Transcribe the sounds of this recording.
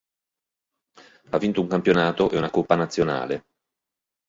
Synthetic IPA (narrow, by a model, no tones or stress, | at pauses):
avːint̪ouŋkampjonaːt̪oʔeunakopːanat̪sːjona̰ːle